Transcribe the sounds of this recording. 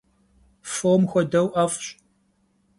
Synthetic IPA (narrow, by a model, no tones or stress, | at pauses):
foːmxʷɔdɐwʔɐfɕʼ